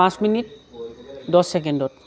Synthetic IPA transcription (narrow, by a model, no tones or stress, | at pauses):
ãt͡ɕminiʈ̚ | d̪ɔsːek̬enɖoɾ